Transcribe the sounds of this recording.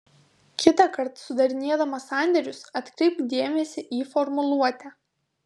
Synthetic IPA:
kʲɪt̪ɐˑkɐɾt̪sʊd̪ɐɾʲɪnʲeɛd̪ɐmɐsɑˑnʲd̪ʲɛɾʲʊsɐt̪ʲkɾʲɛɪp̪d̪ʲeːmʲɛsʲɪʔiːfɔɾmʊlˠuɔt̪ʲɛ

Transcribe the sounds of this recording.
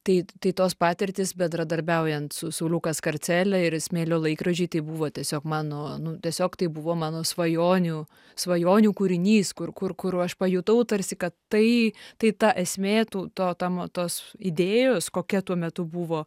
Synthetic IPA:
t̪ɐɪt̪ɐɪt̪oːspɑːt̪ʲɪɾʲt̪ʲɪsbʲɛnd̪ɾɐd̪ɐɾʲbʲɛʊjɛnt̪sʊsʊlʲʊkɐskɐɾʲt͡s̪ʲæːlʲɛɪɾsʲmʲeːlʲoːlˠɐɪkɾɐʒʲɛɪt̪ɐɪbuʋoːt̪ʲiɛsʲoːkmɑːnoːnʊt̪ʲiɛsʲoːkt̪ɐɪbuʋoːmɑːnoːsʋɐjoːnʲuː | sʋɐjoːnʲuːkuɾʲɪnʲiːskʊɾkʊɾkʊɾɐʃpɐjut̪ɐʊt̪ɐɾʲsʲɪkɐttɐɪt̪ɐɪt̪ɑʔɛsʲmʲeːt̪uːt̪oːt̪ɐmt̪oːsɪd̪ʲeːjoːskoːkʲɛt̪uɔmʲɛt̪ʊbuʋoː

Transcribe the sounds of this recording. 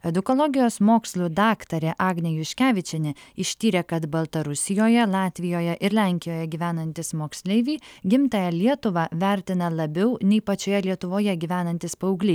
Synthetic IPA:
ɛd̪ʊkɔlˠɔɡʲɪjoːsmoːksʲlʲˠuːd̪ɑːkt̪ɐɾʲeʔɑːɡnʲɛjʊʃʲkʲæːʋʲɪt͡ʃʲɛnʲɪɪʃʲt̪ʲiːɾʲeːkɐt̪bɐlˠt̪ɐɾʊsʲɪjoːjɛlˠɑːt̪ʲʋʲɪjoːjɛʔɪɾlʲæŋʲkʲɪjoːjɛɡʲiːʋʲæːnɐnʲt̪ʲɪsmoːksʲlʲɛɪʋʲiːɡʲɪmt̪ɐjɛlʲiɛt̪ʊʋɑʋʲæɾʲt̪ʲɪnɐlˠɐbʲɛʊnʲɛɪpɐt͡ʃʲoːjɛlʲiɛt̪ʊʋoːjɛɡʲiːʋʲæːnɐnʲt̪ʲɪspɐʊɡlʲiː

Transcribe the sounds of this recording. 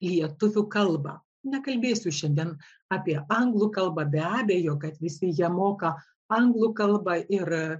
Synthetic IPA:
lʲiɛt̪ʊʋʲʊkɐlˠbɑ̰ː | nʲɛkɐlʲbʲeːsʲʊʃʲɛnʲd̪ʲiɛn | ɑːpʲiɛʔɐŋɡlˠuːkɐlˠbɐːbʲɛɑːbʲeːjoːkɐt̪ʋʲɪsʲɪjiɛmoːkɐ | ɐŋɡlˠukɐlˠbɑːʔɪr

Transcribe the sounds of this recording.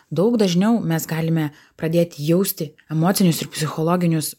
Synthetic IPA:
d̪ɒʊɡd̪ɐʒʲnʲɛʊmʲɛsɡɑːlʲɪmʲɛ | pɾɐd̪ʲeːt̪ʲɪjɛʊsʲt̪ʲɪ | ɛmoːt̪sʲɪnʲʊsɪɾpʲsʲɪxɔlˠɔːɡʲɪnʲʊs

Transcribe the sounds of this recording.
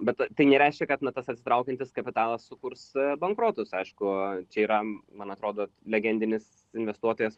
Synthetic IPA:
bʲɛt̪t̪ɐɪnʲɛɾʲɛɪʃʲkʲɛkɐt̪nɐt̪ɐsɐt̪ʲsʲɪt̪ɾɐʊkʲɛnʲt̪ʲɪskɐpʲɪt̪ɑːlˠɐsːʊkursbɐŋkɾoːt̪ʊsɐɪʃkʊt͡ʃʲɛiːɾɐmɐnɐt̪ɾoːd̪oːlʲɛɡʲɛnʲd̪ʲɪnʲɪs | ɪnʲʋʲɛst̪uɔt̪oːjɛs

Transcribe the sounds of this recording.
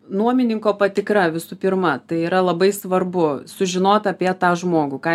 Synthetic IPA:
nuɔmʲɪnʲɪŋkoːpɐt̪ʲɪkɾɐʋʲɪsʊpʲɪɾmɐt̪ɐɪiːɾɐlˠɐbɐɪsʋɐrbʊsʊʒʲɪnoːt̪ɐpʲiɛt̪ɑːʒmoːɡʊkɑː

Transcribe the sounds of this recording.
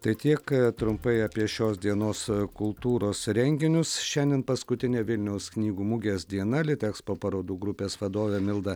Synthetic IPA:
t̪ɐɪt̪ʲiɛkt̪ɾʊmpɐɪɐːpʲiɛʃʲoːsd̪ʲiɛnoːskʊlˠt̪uːɾoːsɾʲɛŋʲɡʲɪnʲʊsʃʲɛnʲd̪ʲiɛnpɐskʊt̪ʲɪnʲeːʋʲɪlʲnʲɛʊsknʲiːɡuːmʊɡʲeːsd̪ʲiɛnɐlʲɪt̪ʲɛkspoːpɐɾoːd̪uːɡɾʊpʲeːsʋɐd̪oːʋʲeːmʲɪlˠd̪ɐ

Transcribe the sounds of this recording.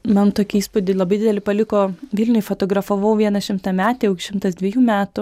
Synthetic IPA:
mɐnt̪oːkʲɪiːspʊd̪ʲɪlˠɐbɐɪd̪ʲɪdʲɛlʲɪpɐlʲɪkoːʋʲɪlʲnʲʊjfot̪oːɡɾɐfoʋɐʊʋʲiɛnɐʃʲɪmt̪ɐmʲæːt̪ʲeːɛʊkʲʃʲɪmt̪ɐsd̪ʲʋʲɪɛjuːmʲæːt̪ʊ

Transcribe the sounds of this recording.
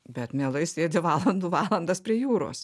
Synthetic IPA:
bʲɛt̪mʲeːlˠɐɪsʲeːd̪ʲɪʋɑːlˠɐnd̪uːʋɑːlˠɐnd̪ɐspʲɾʲiɛjuːɾo̰ːs

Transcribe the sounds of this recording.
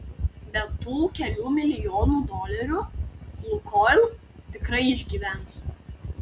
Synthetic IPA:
bʲɛt̪ːuːkʲɛlʲuːmʲɪlʲɪjoːnuːd̪ɔːlʲɛɾʲulˠʊkɔːlʲˠ | t̪ʲɪkɾɐɪɪʒʲɡʲiːʋʲæˑns

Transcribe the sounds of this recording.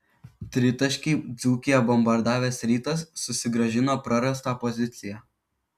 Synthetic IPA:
t̪ʲɾʲɪt̪ɐʃʲkʲiɪd̪zuːkʲɪjɛbɔmbɐɾd̪ɑːʋʲeːsɾʲiːt̪ɐsːʊsʲɪɡɾɐʒʲɪnoːpɾɐɾɐst̪ɑːpɔzʲɪt̪sʲɪjæː

